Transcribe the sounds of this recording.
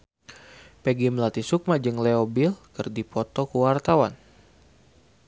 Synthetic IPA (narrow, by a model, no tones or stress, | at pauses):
pɛɡimlat̪isuk̚mad͡ʒɨŋleobilkɨrdipɔt̪ɔkəwart̪awan